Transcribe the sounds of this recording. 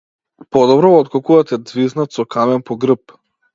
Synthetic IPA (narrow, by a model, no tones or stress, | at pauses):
pɔd̪ɔbɾɔɔt̪kɔkuvat̪ɛd̪zviznat̪sɔkʰamɛnpɔɡɾəp